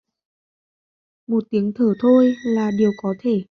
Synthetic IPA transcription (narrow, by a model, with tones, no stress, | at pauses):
mo˨˩t̚t̪i˨˦əŋt̪ʰəː˧˩t̪ʰo˧jlaː˨˩ɗi˨˩əwkɔ˨˦t̪ʰe˧˩